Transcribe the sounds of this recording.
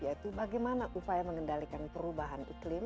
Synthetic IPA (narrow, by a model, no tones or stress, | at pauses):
iait̪ubaɡɛjmanaʔupajaməŋəndalikanpəɾubaɦanḭklɪm